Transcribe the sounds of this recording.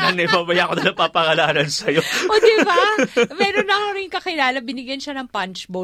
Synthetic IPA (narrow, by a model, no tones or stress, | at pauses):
ɐnɐibaːbɐjaʔkod̪ɐlɐpapɐhɐlaːɾɐnsɐjoʔod̪ɪbamɛːɾonɐɾɪŋkɐkɪlaːlɐbɪnɪɡjɐnʃɐnɐŋpɐnt͡ʃbo